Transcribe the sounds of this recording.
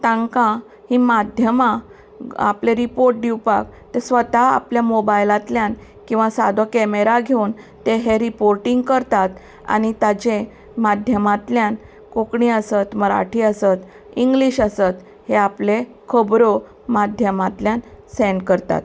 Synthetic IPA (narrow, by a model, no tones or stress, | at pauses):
t̪ãŋkã | himad̪ʱjəmã | a̰pleɾipoɾʈ̚d̪iwpa̰k̚t̪esʋət̪aa̰pljamobajlãt̪ljãn | kĩw̃ʋasad̪ʱokɛmeɾaɡʱeun | t̪eɦeɾipoɾʈiŋɡkəɾt̪at̪ | a̰ñit̪ad͡ʑẽ | mad̪ʱjəmãt̪ljan | kokɳĩəsət̪məɾa̰ʈʰiəsət̪ | iŋɡliɕasət̪ | heaple | kʰəbɾo | mad̪ʱjəmãt̪ljan | sɛnkəɾt̪a̰t̪